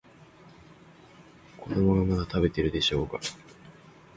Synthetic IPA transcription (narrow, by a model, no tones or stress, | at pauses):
ko̞d̪o̞mo̞ɡamad̪at̪abe̞t̪e̞ɾɯ̟d̪e̞ɕo̞ːka